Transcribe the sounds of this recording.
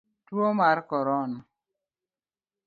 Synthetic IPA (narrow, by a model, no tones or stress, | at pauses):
twomaɾkɔɾɔn